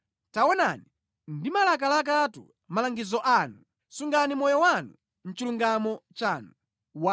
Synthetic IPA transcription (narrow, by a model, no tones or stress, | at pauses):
tawɔna̰ni | ndimalak̬alak̬atṵ | malaŋɡizɔʔanu | suŋɡanimɔjɔwanu | m̩t͡ʃiluŋɡamɔt͡ʃaːnu | wa